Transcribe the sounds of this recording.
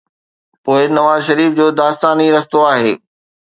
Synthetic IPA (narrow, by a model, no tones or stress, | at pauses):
poːɪnɐʋaːzʃɐɾiːfd͡ʑoːd̪aːst̪aːniɾɐst̪oaːɦeː